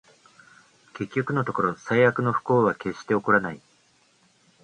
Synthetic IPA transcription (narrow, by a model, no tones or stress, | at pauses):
ke̞kʲːo̞kɯ̟no̞t̪oko̞ɾo̞saiakɯ̟no̞ɸɯ̥ko̞ːβake̞ɕːi̥t̪e̞o̞koɾanai